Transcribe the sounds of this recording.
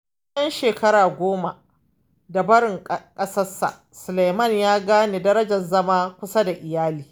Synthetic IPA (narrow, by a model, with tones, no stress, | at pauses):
ʔɐ˦nʃeː˨kɐ˦ɾaː˨ɡʷoː˦ma˨ | da˨bɐ˦ɽɪ˨ŋkʼɐ˦sɐ˦sa̰˨ | sʊ˨la˨jmɐ˦˨ɲjaː˦ɡaː˦neː˨dɐ˦ɾɐ˦d͡ʒɐ˨nzɐ˦maː˦kʷʊ˦sa˦da˨ʔɪ˨jaː˦liː˨